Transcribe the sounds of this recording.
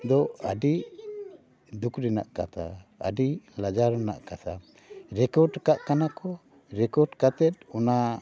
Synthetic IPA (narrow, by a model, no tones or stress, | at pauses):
d̪ɔəɖi | d̪ukʰɾɛna̰ʔkat̪ʰa̰ə̰ɖilad͡ʒaɾɛna̰ʔkat̪ʰa | ɾɛkɔɾɖkaʔkanakɔ | ɾɛkɔɾɖkat̪ɛt̪̚ɔna